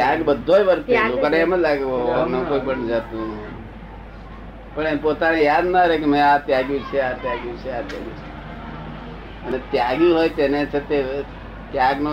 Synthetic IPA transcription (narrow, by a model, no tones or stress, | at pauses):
jaɡbəd̪ʱːojʋəɾt̪iũkəɾeeməd͡ʒlaɡeoonokoːipəɳd͡ʒat̪ũnə | pəɳepot̪anejad̪naɾek̬emẽat̪jaɡjũt͡ʃʰeat̪jaɡjũt͡ʃʰeat̪ja̰ɡjṵ̃t͡ʃʰe | ənet̪jaɡiɦojt̪enet͡ʃʰet̪e | t̪jaɡno